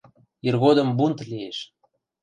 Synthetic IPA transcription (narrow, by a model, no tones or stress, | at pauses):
irɣod̪ə̆mbunt̪lieʃ